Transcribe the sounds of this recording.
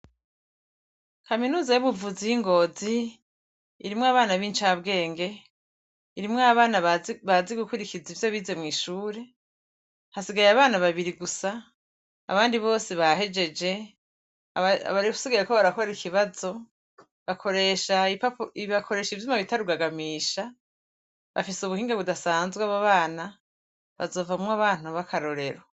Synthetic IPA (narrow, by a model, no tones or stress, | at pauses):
kʰaminuːzajuβuvuzijiŋɡo̞ziː | ɾimŋaβaːnaβiːnt͡ʃabɡe̞ːŋɡe̞ | iɾimŋaβaːnaβaziɡukuɾikizivjo̞βiːze̞mŋiːʃuːɾe̞ | hasiɡajaβaːnaβaβiɾiɡusa̰ː | βaːndiβo̞ːsiβahe̞d͡ʒe̞d͡ʒe̞ | a̰βaɾiku̥siɡiɾekoβaɾakoɾikiβazo̞ | βakʰo̞ɾe̞ːʃaipapiβakʰo̞ɾe̞ːʃivjumaβitaɾuɡaɡamiːʃa | βa̰fisuβuhiːŋɡaβudasaːnzɡwaβaβaːna | βa̰zo̞ːvamŋaβaːn̥uβakʰaɾo̞ɾe̞ɾo